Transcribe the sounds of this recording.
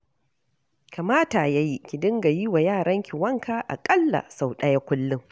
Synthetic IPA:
ka˨maː˦ta˨ja˦ji˦kʲi˨dɪ˦ŋɡa˨ji˦wa˨jaː˦˨ɽɐ˦ŋkʲɪ˨wɐ˦ŋkʰaː˦ʔa̰˨kʼɐ˦lːa̰˨sa˨wɗɐ˦ja˦kʷʊ˦lːʊ˦ŋ

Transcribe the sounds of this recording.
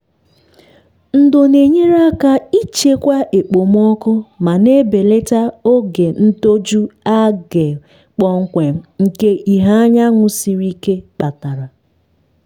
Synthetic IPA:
n̩˦do˨ne˨ɲe˦ɾa˦ka˦i˦t͡ʃe˦kʷa˦ʔe˨k͡po˨m˦ɔ˦kʊ˦ma˨ne˦be˨le˦ta˦o˦ɡe˨n̩˦to˦d͡ʒu˦a˦ɡe˨ | k͡pɔ˨ŋ̩˦kʷe˨m̩˦ŋ̩˨ke˦ʔi˨ɦa˦ɲa˦ŋʷʊ˦si˨ɾi˦ke˦k͡pa˨ta˨ɾa˨

